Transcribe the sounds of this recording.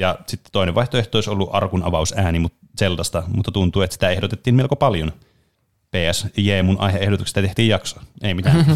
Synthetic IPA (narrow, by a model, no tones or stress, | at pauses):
jɑsit̪ːe̥t̪oineʋɑiht̪oeht̪oˑisolːuʔɑrkunɑ̰ʋɑusæːnimut̪ | selt̪ɑst̪ɑmut̪ːɑt̪unt̪uːet̪si̥t̪æehdot̪et̪ːiːmmelkopɑljon | peːæsjeːmunʔɑ̰iheehdot̪ukst̪ːæt̪eht̪iːjjɑkso̥eimit̪æ